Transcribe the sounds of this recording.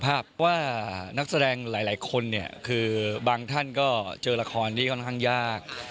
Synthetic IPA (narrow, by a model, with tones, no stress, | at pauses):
pʰaː˥˩pp̚ʰːɔ˦˥waː˥˩na˦˥k̚sa˧dɛː˧ŋlaː˨˩˦jlaː˩˦jkʰo˧nːi˥˩ɐkʰɯː˧baː˧ŋt̪ʰa˥˩nkɔː˥˩t͡ɕɤː˧la˧kʰɔː˧nt̪ʰiː˥˩kʰɔ˥˩nkʰa˥˩ŋjaː˥˩k̚